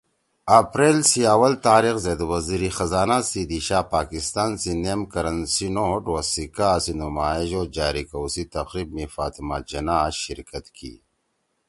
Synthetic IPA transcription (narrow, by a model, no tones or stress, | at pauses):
ɐpɾeːlsiawɐlt̪aːɾixzeːd̪wɐziɾixɐzaːnasid̪iɕaːpaːkist̪aːnsinemkɐɾɐnsinoʈwɐsikaːsinumaːiʑoːd͡ʑaːɾikɐwsit̪ɐqɾiːb̚mifaːt̪imad͡ʒɐnaːɕḭɾkɐt̪kʰḭ